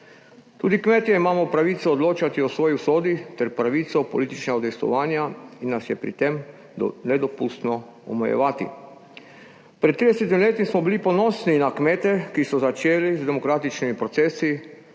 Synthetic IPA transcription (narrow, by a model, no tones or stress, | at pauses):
t̪uːd̪ikmeːt̪jɛimaːmɔpɾaʋiːt̪sɛɔd̪loːt͡ʃat̪iosʋɔːjiusoːd̪it̪ɛɾpɾaʋiːt̪sɔpɔliːt̪it͡ʃnɛɡɔd̪ɛjst̪ɔ̰ʋaːnjainːasjɛpɾḭt̪em | nɛd̪ɔpust̪nɔ | ɔ̰mɔjɛ̰ʋaːt̪ḭ | pɾɛt̪t̪ːɾiːd̪ɛsɛt̪̬imileːt̪imsmɔbilipɔnɔːsninakmeːt̪ɛkisɔzat͡ʃeːlizd̪ɛmokɾaːt̪it͡ʃnimipɾot̪seːsi